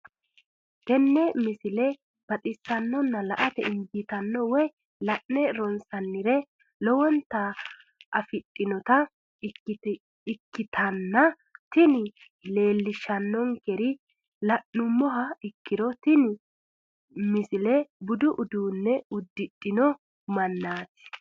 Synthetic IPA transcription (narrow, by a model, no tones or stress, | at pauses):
tɛnːɛmɪsɪlɛ | b̥ɐt̪ʼɪsːɐnːɔnːɐlɐʔɐt̪ɛ̰ɪmbɪt̪ɐnːɔwɔj | lɐʔnɛɾɔnsɐnːɪɾɛ | lɔwɔnt̪ɐ | ʔɐfɪtʼːɪnɔt̪ɐ | ɪkːɪt̪ʰɐnːɐ | t̪ɪnɪ | le̞ːlːɪʃːɐnːɔŋkɛɾɪ | lɐʔːʊmːɔɦɐɪkːɪd̪ɔt̪ɪn | mɪsɪlɛbʊd̪ʊʔʊd̪uːnːɛʊd̪ːɪɗʼːɪnɔ | mɐnːaːt̪ɪ̥